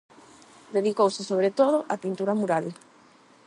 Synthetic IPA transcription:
d̪eðikowsesoβ̞ɾet̪oð̞oʔapint̪uɾamuɾal

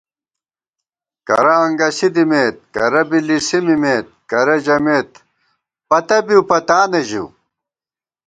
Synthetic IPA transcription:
kɐ̰ɾɐɐŋɡɐsid̪imeːt̪̚kɐɾɐbilisimimeːt̪̚kɐɾɐd͡ʑɐmeːt̪ | pɐt̪ɐbiwpɐt̪aːnɐʑṵ

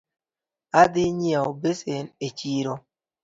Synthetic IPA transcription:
adɪɲiaobesenet͡ʃiɾo

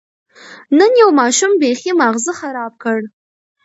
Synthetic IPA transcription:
nɨnjewmaːʃɪmbeχʲimaʁzɨχaɾaːp̚kʰɐr

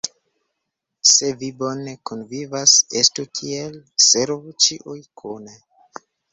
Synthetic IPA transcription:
se̞vibo̞nekonvivasestukʰielseɾvut͡ʃiʔujkʰune

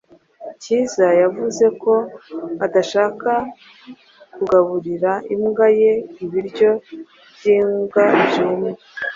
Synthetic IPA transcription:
ciːzajavuze̞ko̞adaʃaːka | kuɡaβuɾiɾaimɡaje̞iβiɾɟo̞ | bɟiːŋɡaibjumu

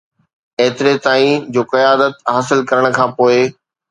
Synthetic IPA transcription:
eːt̪ɪɾet̪aːĩd͡ʑoːqɐjaːd̪ət̪ɦaːsɪlkɐɾəɽ̃ə̆kʰãːpoːe

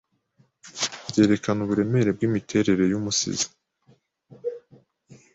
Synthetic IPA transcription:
bɟe̞ːɾe̞kanuβuɾe̞me̞ɾe̞b̚ɡiːmitʰe̞ɾe̞ɾe̞jumusḭzḁ

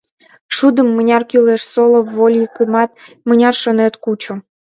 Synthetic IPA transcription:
ʃud̪əmːənʲɑrkyleʃsolˠŏvːolʲjikumɑt̪̚ | mənʲɑrʃonet̪kut͡ɕo

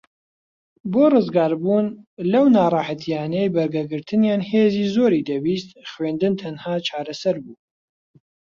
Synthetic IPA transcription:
boːrɨzɡɑːɾbuːnlɐwnaːrˤɑːħat̪ʰijaːnɛjbɐɾɡɛɡɨɾt̪ʰɨnjaːnheːziːzoːɾiːd̪ɐbiːst̪χwend̪ɨnt̪ʰɐnhaːt͡ʃʰɑːɾɐsɐɾbuː

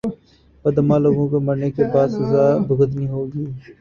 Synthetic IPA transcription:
pəd̪əmãːloːɡõːkoməɾneːkebaːd̪səzaːbəɡəd̪nĩːɦoːɡiː

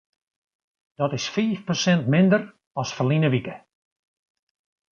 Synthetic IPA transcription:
d̥ɔtɪsfiːfprosɛntmɪndər | ɔsfərlinəʋikə

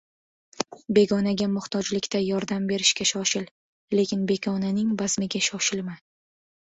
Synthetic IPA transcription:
be̞ɡɒnaɡʲamʊht̪ʰɒd͡ʒlɪkʲt̪ʰajɒɾd̪ambe̞ɾɪʃkʲaʃɒʃɪl | le̞kʲʰɪnbe̞ɡʲɒnanɪŋbazmɪɡʲaʃɒʃɪlma

